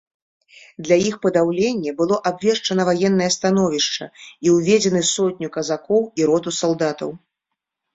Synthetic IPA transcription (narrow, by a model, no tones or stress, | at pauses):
d̪lʲɐjixpɐd̪awlʲenʲːɛbɨlˠɔʔabvʲɛʂt͡ʂɐnɐvajɛnːɐjɛst̪an̪ɔvʲiʂt͡ʂɐ̰iwvʲɛd͡zʲɛnɨsɔt̪ʲnʲukɐzakɔwiɾɔt̪usalˠd̪at̪ɐ̰w